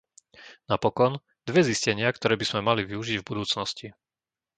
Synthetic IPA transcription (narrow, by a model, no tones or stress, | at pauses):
napɔkɔn | d̪ʋɛziscɛɲɪakt̪ɔɾɛːbiz̥mɛmaliʋiuʒiɟvbud̪uːt͡snɔsci